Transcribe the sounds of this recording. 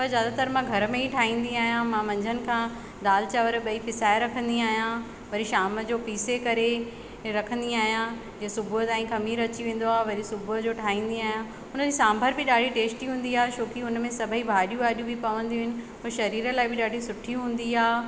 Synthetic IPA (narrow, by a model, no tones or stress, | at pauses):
pɐzjaːd̪at̪əɾmãɡʱɐɾəmẽɦiʈʰaːĩːn̆d̪iaːɦijãmãmɐ̃ɲd͡ʑʱənɪ̆kʰãː | ɗ̪aːlɪt͡ɕaʋəɾɓɐipɪsaːɪɾɐkʰə̃nd̪iaːɦijã | ʋɐɾiʃaːməd͡ʑoːpiːsekɐɾe | ɾɐkʰə̃nd̪iaːɦijã | d͡ʑiːesʊbʱʊɦt̪aːĩkɐmiːɾɐt͡ɕiʋẽːn̆d̪oaːɦeʋɐɾisʊbʱʊɦəd͡ʑoːʈʰaːĩːn̆d̪iaːɦjã | ʊnəd͡ʑisãːmbʱəɾbɪɗaːɖʱiʈeːsʈiɦũːnd̪iaːɦeʃoːkiʊnəmẽsɐbʱəibʱaːɗijũaːɗijũbipɐʋə̃nd̪iuɦɪnɪ̆ | ʊʃɐɾiːɾə̆laːɪbɪɗaːɖʱisʊʈʰiɦũːn̆d̪iaː